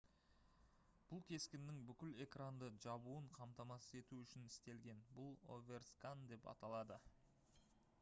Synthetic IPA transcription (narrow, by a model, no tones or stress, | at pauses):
b̥ʊlˠkʲʰe̞skʲɪnd̪ːɪŋbʏkʲɪle̞krand̪əʒɑbuəɴqʰɑmt̪ɑmɑsəe̞t̪uʏʃɪnɪst̪e̞lɡʲe̞nbʊlˠo̰vʲe̞rskand̪e̞pɑ̰t̪ɑlˠɑd̪ə